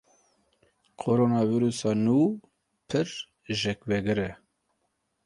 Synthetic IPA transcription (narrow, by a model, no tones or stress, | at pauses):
kʰoɾoːnɑːviɾusɑːnuː | pʰɨɾ | ʒɛkvɛɡɨɾɛ